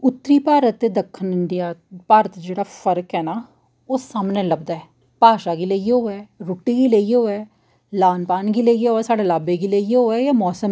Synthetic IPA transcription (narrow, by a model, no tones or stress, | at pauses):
ʊt̪ːɾiːpaːɾət̪ːeːd̪əkʰːənɪɳɖɪjaːpaːɾət̪d͡ʒeːɽaːpʰəɾəkɦɛːnaː | oːsaːmnẽːləbd̪aːɛː | paːʃaːɡiːləːioːɛːɾoːʈːiːɡiːleioːɛː | laːnpaːnɡiːleːioːɛːsaːɖeːlaːbeːɡiːleːijeoːɛːjaːmɔːsəm